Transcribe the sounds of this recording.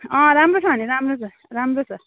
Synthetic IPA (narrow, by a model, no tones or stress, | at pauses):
ʌ̃ɾamrot͡sʰʌɦʌniɾamrot͡sʰʌ | ramrot͡sʰʌ